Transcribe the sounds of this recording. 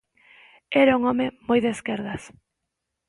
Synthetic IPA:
ɛɾauŋɔmemojðeskeɾðɐs

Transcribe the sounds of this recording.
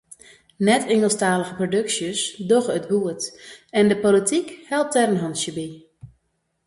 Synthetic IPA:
nɛtʰɪŋəlˠstaːləɣəprodøksjəsdɔxətbuətɛndəpolitʰikhɛlˠp̚tɛɾənɦɔnsjəbi

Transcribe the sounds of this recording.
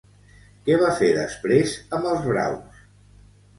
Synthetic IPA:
kɛβafeðə̰spɾezəmbəlˠzβɾa̰ws

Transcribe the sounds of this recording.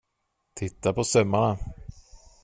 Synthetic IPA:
t̪ʰɪt̪ːapɔsœmːaɳa

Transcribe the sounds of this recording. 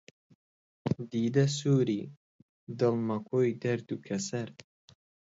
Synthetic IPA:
d̪iːd̪ɐsuːɾi | d̪ɨlˠmɐkʰoːjd̪ɐɾd̪ukʰɐsɐɾ

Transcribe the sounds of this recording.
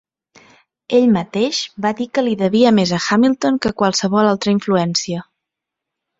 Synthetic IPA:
eʎmət̪eʃbaðikəliðəβiəmezəxamilˠt̪oŋkəkwalˠsəβɔlalˠt̪ɾəiɱfluɛnsiə

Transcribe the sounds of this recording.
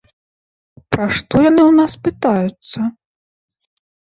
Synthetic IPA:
pɾaʂt̪ɔjanɨwnaspɨt̪ajut̪sːɐ

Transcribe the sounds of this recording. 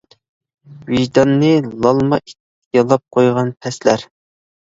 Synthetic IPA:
wiʒd̪ɑnːɨlˠɑlˠmɑʔit̪ | jɑlˠɑp̚qʰojʁɑnpʰɛslæɾ

